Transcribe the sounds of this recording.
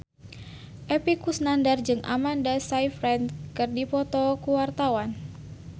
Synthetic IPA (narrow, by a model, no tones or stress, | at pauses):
ʔɛpikusnandard͡ʒɨŋʔa̰mandasaifɾɛnkɨrdipɔt̪ɔkuwart̪awan